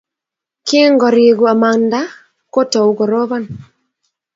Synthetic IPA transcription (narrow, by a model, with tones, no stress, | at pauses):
kɪ˦ŋɡɔ˨ɾi˨ɡu˨a˨ma˨nda˦ | ko˦tɔ˨u˨ɡɔ˨ɾo˦βɔ˦n